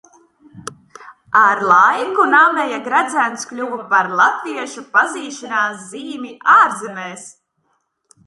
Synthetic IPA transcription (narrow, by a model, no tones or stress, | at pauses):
aɾlˠajkunaːmɛjaɡɾad̪zænt̪sklʲuvupaɾlˠat̪viɛʃupaziːʃinaːs̬ziːmʲiʔaːɾzɛnɛːs